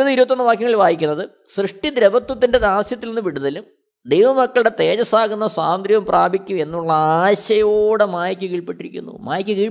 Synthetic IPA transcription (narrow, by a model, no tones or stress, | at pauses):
ɐðiɾubɐt̪ːonːɐʋaːkjɐŋɐɭilʋaːjikʲːunːɐðɨ | srɨʂʈid̪ɾɐbɐt̪wɐt̪ːinde̞d̪aːsjɐt̪ːilnenːɨʋiɽuðɐlum | d̪e̞jʋɐmɐkːɐɭuɽe̞t̪e̞ːd͡ʑɐsaːɣunːɐsaːnd̪ɾjɐʋɐmprʔaːbʱikʲːue̞nːuɭːɐaːɕɐjoːɽemaːjɐkʲːɨkiːɭpiʈːiɾikʲːṵnːṵmaːjɐkʲːɨkiː